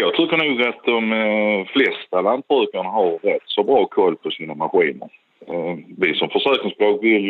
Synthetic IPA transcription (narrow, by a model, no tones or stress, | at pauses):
jɑːɡt̪ʰɪkːəɳuːɡat̪̚d̪ɔmflɛst̪aland̪̚sœːkaɳaɦaɾːɛt̪ːsɔbɾɑːkʰɔlːpʰɔsiːnamaɧiːnə̰ɾ | vɪsɔmfəʂœːknɪŋsblɑːɡvɪl